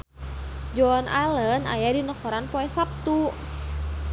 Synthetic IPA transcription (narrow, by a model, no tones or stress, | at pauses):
d͡ʒɔnaləna̰jadinɔkɔɾanpɔɛsap̚t̪u